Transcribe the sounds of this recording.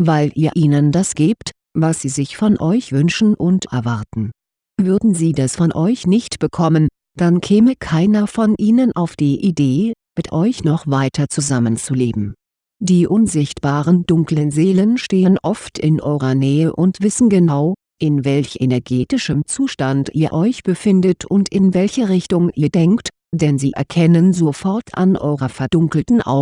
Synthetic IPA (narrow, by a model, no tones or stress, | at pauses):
vaɪlʔiːɐʔiːnəndasɡ̥eːpt | vasz̥iːzɪçfɔnʔɔʏçv̥ʏnʃn̩ʔʊntɛ̰ɐvaɐtn̩ | vʏɐdn̩ziːdasfɔnʔɔʏçnɪçtb̥əkʰɔmən | d̥ankʰɛːməkʰaɪnɐfɔnʔiːnənʔaʊfd̥iːʔideːmɪtʔɔʏçnɔχv̥aɪtʰɐt͡suzamənt͡suleːbm̩ | d̥iːʔʊnzɪçtb̥aːʁəndʊŋklənzeːlənʃteːənʔɔftʰɪnʔɔ̰ʏʁɐnɛːəʔʊntv̥ɪsn̩ɡənaʊ | ʔɪnvɛlçʔḛnɛɐɡeːtɪʃəmt͡suːʃtantḭːɐʔɔʏçb̥əfɪndətʰʊntɪnvɛlçəʁɪçtʊŋʔiːɐdɛŋkt | d̥ɛnziːʔɛ̰ɐkʰɛnənzofɔɐtʰa̰nʔɔ̰ʏʁɐfɛɐdʊŋkl̩tn̩ʔa̰ʊ